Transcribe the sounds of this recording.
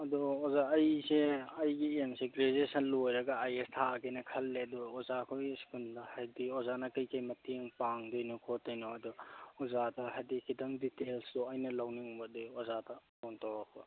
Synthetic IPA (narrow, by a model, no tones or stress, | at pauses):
ɐduozaɐjseɐjɡiemseɡɾezesɐnlojɾɐɡaajestʰakɐjnɐkʰɐlːeɐdɔːzakʰojskʰundahajdiɔzanɐkɐjkɐjmɐtiŋpaŋdojnɔkʰotːɐjnoɐduɔzatɐɦajdikʰitɐŋditelsdɔɐjnɐlawniŋbɐdojɔzatapɔntawɾak̚ʰbɐ̰